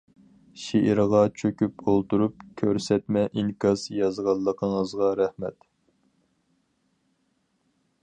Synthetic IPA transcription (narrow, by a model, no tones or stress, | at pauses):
ʃiʔiɾʁɑt͡ʃʰøkʲypolˠt̪uɾup̚kʲʰøɾsɛt̪mɛʔiŋkʰɑzjɑzʁɑlˠːəqʰəɴəzʁɑɾæhmɛ̰t̪